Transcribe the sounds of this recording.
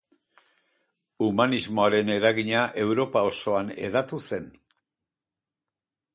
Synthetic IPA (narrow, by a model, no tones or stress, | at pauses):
umanizmo̞aɾe̞ne̞ɾaɣiɲaʔe̞wɾo̞pao̞so̞ane̞̰ðat̪use̞n